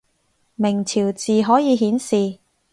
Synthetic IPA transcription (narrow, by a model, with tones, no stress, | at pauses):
mɪ˨˩ŋt͡sʰiː˨˩wt͡siː˨ɦɔː˨˥jiː˨˧ɦiː˨˥nsiː˨